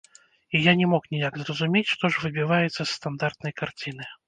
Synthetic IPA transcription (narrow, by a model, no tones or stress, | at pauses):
ijanʲɛmɔknʲijakzrɐzumʲet͡sʲʂt̪ɔʐvɨbʲivajɛt̪sːɐsːt̪and̪art̪̚nɐjkart͡sʲinɨ